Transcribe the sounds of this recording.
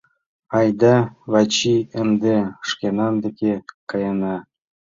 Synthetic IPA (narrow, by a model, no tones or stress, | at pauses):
ɑjd̪ɑvɑt͡ɕiɘ̆md̪eʂkʲenɑnd̪ĕkʲekɑjɑnɑ